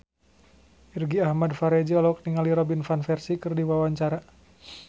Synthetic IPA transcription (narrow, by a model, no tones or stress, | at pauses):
ʔirɡiahmadfaɾɛd͡ʒɛɔlɔk̚niŋaliɾɔbinfanfɛrsikɨrdiwawaɲt͡ʃaɾa